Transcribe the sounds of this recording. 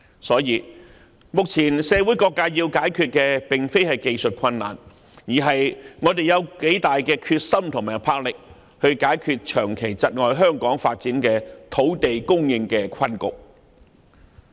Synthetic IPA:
sɔː˨˥jiː˨˧ | mʊ˨k̚t͡sʰiː˨˩nsɛː˨˧wuː˨˥jkɔː˧kːaː˧jiː˧wkaː˨˥jkʰyː˧t̚kɛː˧pɪ˨ŋfe˥jhɐ˨jke˧jsɵ˨t̚kʰɐ˧nːa̰ː˨˩n | jiː˨˩ɦɐ˨jŋɔː˨˧t̪e˨jɐ˨˧wke˨˥jt̪aː˨jkɛː˧kʰyː˧t̚sɐ˥mt̪ʰʊ˨˩ŋmaː˨˩jpʰaː˧˥k̚lɪ˨k̚ | hɵ˧ɥkaː˨˥jkʰyː˧t̚t͡ʃʰœː˨˩ŋkʰe˨˩jt͡sɐ˨t̚ŋɔː˨jɦœː˥ŋkɔː˨˥ŋfaː˧t̚t͡siː˨˥nkɛː˧t̪ʰo˨˥wt̪e˨jkʊ˥ŋjɪ˧ŋkɛː˧kʷʰɐ˥nkʊ̰˨k̚

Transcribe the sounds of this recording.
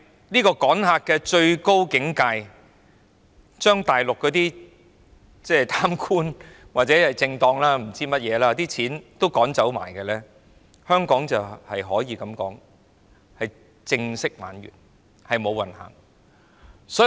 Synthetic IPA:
niː˥kɔː˧kɔː˨˥nhaː˧k̚kːɛː˧t͡ʃɵ˧ɥko˥wkɪ˨˥ŋkaː˧j | t͡ʃœː˥ŋt̪aː˨˩jlʊ˨kːɔː˨˥t̪iː˥ | t͡sɛː˥˩t̪ʰaː˥mkʰuː˥nwaː˨t̚t͡sɛː˨˥hɐ˨jt͡sɪ˧ŋt̪ɔː˧ŋlaː˥m̩˨˩t͡siː˥mɐ˥t̚jɛː˨˧laː˥t̪iː˥t͡sʰiː˨˥nt̪o˥wkɔː˨˥ŋt͡sɐ˨˥wma̰ː˨˩jkɛ˧lɛː˥ | hœː˥ŋkɔː˨˥ŋt͡sɐ˨whɐ˨jɦɔː˨˥jiː˨˧kɐ˨˧˥mkɔ̰ː˨˥ŋ | hɐ˨j | t͡sɪ˧ŋsɪ˥k̚ma̰ː˨˧njy̰ː˨˩n | hɐ˨jmo˨˧wɐ˨nha̰ː˨˩ŋ | sɔː˨˥

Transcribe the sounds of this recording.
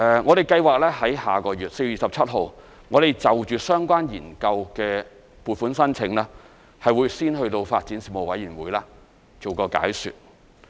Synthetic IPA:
ʔɛ˧ŋɔː˨˧ɾe˨jkɐ˧jwaː˨k̚lɛː˥hɐ˨˥jhaː˨˩kɔː˧ɥyː˨t̚se˧jyiː˨˩sɐ˨p̚t͡sʰɐ˥t̚ɦo˨w | ŋɔː˨˧ɾe˨˩jt͡sɐ˨wt͡ʃyː˨sœː˥ŋkʷaː˥njiː˨˩nkɐ˧wkɛː˧ | puː˨tfuː˨˥nsɐ˥nt͡sʰɪ˧˥ŋlɛː˥ | hɐ˨jwuː˨˧jsiː˥nɦɵ˧ɥt̪o˧wfaː˧t̚t͡siː˨˥nsiː˨pmo˨wɐ˨˥jiː˨˩nwuː˨˧jlaː˥ | t͡so˨˩wkɔː˧ka̰ː˨˥jsy̰˨t̚

